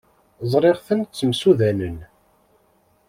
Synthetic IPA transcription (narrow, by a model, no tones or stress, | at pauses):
zˤɾˤeʁθənt͡sːəmsuðænən